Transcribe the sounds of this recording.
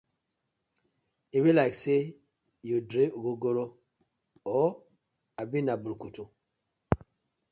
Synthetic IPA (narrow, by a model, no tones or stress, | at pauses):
iwilaɪkse | jodɾeuɡoɡoɾo | ɔ | abinabuɾkutu